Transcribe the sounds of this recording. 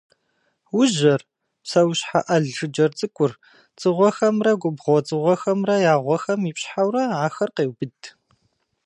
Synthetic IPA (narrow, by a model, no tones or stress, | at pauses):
wʊʑɐr | psɐwɕħa̰ʔɐɮɨd͡ʒɐrt͡sʼɨkʷʼʊr | t͡sʼɨʁʷɔxɐmrɐɡʷʊbʁʷɔt͡sʼɨʁʷɔxɐmrɐjaːʁʷɔxɐmiːpɕħawrɐʕaːxɐrqeːwbɨdʰ